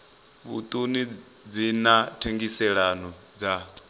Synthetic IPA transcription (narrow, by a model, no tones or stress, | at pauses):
βṵt̪ʼuni | d͡zinatʰeŋɡisɛɺanɔ | d͡za